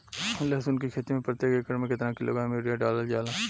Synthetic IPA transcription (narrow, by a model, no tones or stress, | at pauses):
lɐsʊnkikʰeːt̪imẽpəɾt̪ekekɐɾmẽkɪt̪ɾãkilo̰ɡãmeɾijaɖaːləld͡ʒaːlãː